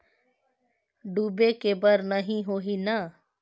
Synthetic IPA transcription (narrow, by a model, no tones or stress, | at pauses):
ɖuːbekebəɾnəɦĩɦoːɦina